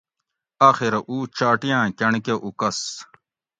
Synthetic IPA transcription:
aːxiɾɐʔuːt͡ɕaːʈijãːkʲɐɳkeʔukɐs

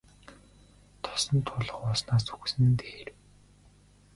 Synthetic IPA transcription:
t̪ʰɔ̥sɞ̆nt̪ʰʊɮə̆χɔsnaːsu̥xsɘ̆nt̪eːr

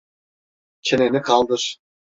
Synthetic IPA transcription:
t͡ɕʰɘ̆nenɘkɑlˠd̪ɤʃ

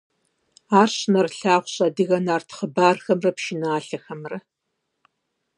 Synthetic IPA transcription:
aːrɕnɐrɬaːʁʷɕʼɐdɨɣɐnaːrtʰχəbaːrxɐmrɐpʃɪnaːɬɐxɐmrɐ

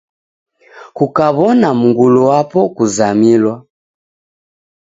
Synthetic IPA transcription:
kukaβɔnamuɡuluwapɔkuzamilwa

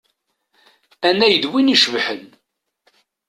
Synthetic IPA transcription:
ænːæjəd̪winiʃəvħən

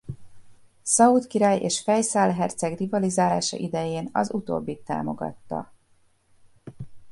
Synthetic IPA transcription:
sɒut̪kiɾaːjeːʃfɛjsaːlɦɛrt̪sɛɡd̪ivɒlizaːlaːʃɒ̰ʔid̪ɛjeːnɒ̰zut̪o̰ːbːit̪ːa̰ːmo̞ɡɒ̰t̪ːɒ̰

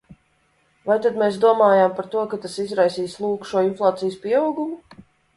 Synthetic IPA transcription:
vajt̪ad̪meːsd̪uɔmaːjaːmpaɾt̪uɔkat̪asizɾajsiːslˠuːkʃuɔinflˠaːt̪sijəspʲiɛawɡumu

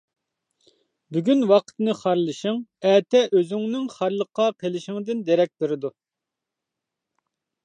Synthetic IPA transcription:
byɡʲynwɑqʰə̥t̪nɨχɑɾlˠɨʃɪŋɛːt̪ʰɛʔøzyŋnɪŋχɑɾlˠəqːɑqʰelˠɪʃɪŋd̪ɪnd̪eɾɛk̚ʲt̪ɪɾɪd̪u

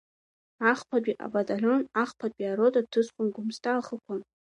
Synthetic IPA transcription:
aχpʰadʷʼiʔa̰batʼaɮonaχpʰadʷʼiaɾotʼatʰɨsqʷʼʊnɡʷʊmstʰʼaːχəkʷʰan

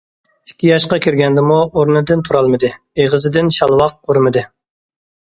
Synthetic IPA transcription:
ikʲʰːijɑʃqɑkʲʰiɾɡʲɛnd̪ɪmuoɾnɨd̪ɪnt̪ʰuɾɑlˠmɨd̪ɨ | eʁəzɨd̪ɪnʃɑlˠwɑq̚ːʰoɾmɨd̪ɨ

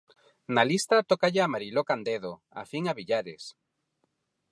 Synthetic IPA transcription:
nalist̪at̪okaʎeamaɾilokand̪eðo | a̰fiŋaβiʎaɾes

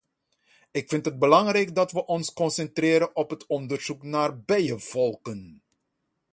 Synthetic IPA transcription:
ɪkfɪntɦəd̚bəlɑŋrɛjkdɑtʋəʔɔnskɔnsɛntrɪːɾənɔpɦətʰɔndərz̥uknaːrbɛjəvɔlˠkən

